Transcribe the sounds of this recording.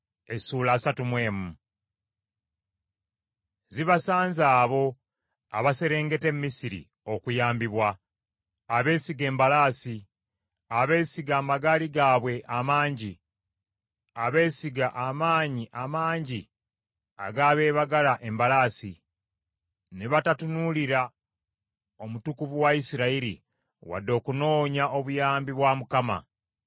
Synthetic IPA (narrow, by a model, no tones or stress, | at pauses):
e̞suːlaːsatumwe̞ːmu | ziβasaːnzaːβo̞ | a̰βase̞ɾe̞ːŋɡe̞te̞mːisiɾḭ | o̞kujaːmbiβwa | aβe̞ːsiɡe̞ːmbalaːsi | aβe̞ːsiɡaːmaɡaːliɡaːβwe̞ʔamaːɲɟi | aβe̞ːsiɡaʔamaːɲiʔamaːɲɟi | a̰ɡaːβe̞ːβaɡalaʔe̞mbalaːsi | neβatatunuliɾa | o̞mutukuvuwaisiɾaiɾḭ | wa̰dːo̞ːkuno̞ːɲaʔo̞βujaːmbiβwamukama̰